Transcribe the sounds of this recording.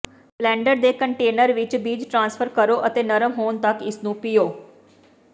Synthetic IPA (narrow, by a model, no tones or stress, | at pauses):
plɛ̃ːɳɖəɾd̪eːkəɳʈeːnəɾʋɪt͡ʃbiːd͡ʒʈɾãːnsfʰəɾkəɾoːʔət̪eːnəɾəmɦoːnt̪əkɪsnũːpɪjoː